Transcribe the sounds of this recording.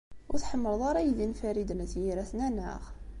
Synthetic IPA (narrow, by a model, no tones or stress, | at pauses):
wt̪ħəmːəɾðˤɑɾˤɑjd̪infæɾid̪næt̪jiɾæθnænʕa̰ɣ